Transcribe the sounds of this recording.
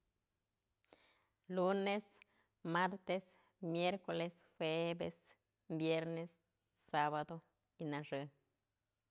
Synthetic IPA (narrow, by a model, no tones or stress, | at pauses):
lunes | maɾt̪es | mjeɾkoles | xwebḛs | bjeɾnes | saβad̪o | inaʐɨ